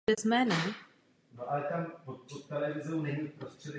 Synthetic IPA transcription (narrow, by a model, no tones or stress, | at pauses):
ɛzmɛːnɛ | noʔalɛt̪ampopot̪ːɛlɛvɪzɛwnɛɲiːfpɾost̪r̥ɛd